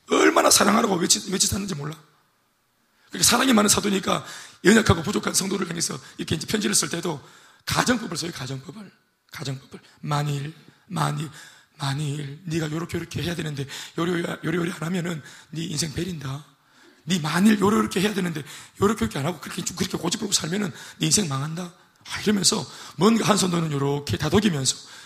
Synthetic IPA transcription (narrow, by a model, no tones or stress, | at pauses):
ʌɭmanasʰaɾaŋɦaɾaɡowet͡ɕʰwet͡ɕʰis͈anːɯnd͡ʑimoɭːa | kɯɾikʰasʰaɾaŋimanɯnsʰadoɲik͈ajʌɲakʰaɡopud͡ʑokʰansʰʌŋdoɾɯɭkaŋesʰʌiɾʌkʰeind͡ʑe̞pʰjʌnd͡ʑiɾɯɭs͈ɯɭt͈ʰe̞do | kad͡ʑʌŋp͈ʌbɯɭsʰʌikad͡ʑʌŋp͈ʌbɯɭ | kad͡ʑʌŋp͈ʌ̥b̥ɯɭmaɲiɾ | maɲiɭmaɲiɾniɡajoɾʌkʰeɾʌkʰe̞he̞jadwenɯnde̞jʌɾjoɾioɾianamjʌnɯnːiinsʰe̞ŋpe̞ɾinda | nimaɲiɭjʌɾʌɾʌkʰe̞he̞jadwe̞nɯnde̞joɾʌkʰeokʰeanɦaɡokɯɾkʰet͡ɕokɯɾʌkʰekod͡ʑip͈oɡosʰaɭmjʌnɯnːiinsʰeŋmaŋɦanda | aiɾʌmjʌnsʰʌmwʌnɡaɦansʰʌŋdonɯnjoɾʌkʰe̞tadoɡimjʌnsʰʌ̥